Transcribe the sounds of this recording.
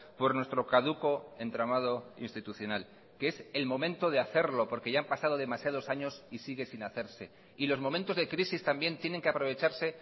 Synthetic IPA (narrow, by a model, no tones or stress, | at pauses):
po̞ɾnwe̞st̪ɾo̞kaðuko̞e̞nt̪ɾamað̞o̞ḭnst̪it̪uθjo̞nal | kee̞se̞lmõ̞mẽnt̪o̞ð̞eaθe̞ɾlo̞po̞ɾkeʝaampasað̞o̞ð̞e̞masjað̞o̞saɲo̞sisiɣe̞sinaθe̞ɾse̞ | ilo̞zmomẽnt̪o̞zðe̞kɾisist̪ambje̞nt̪je̞ne̞ŋkeapɾo̞β̞e̞t͡ʃaɾse̞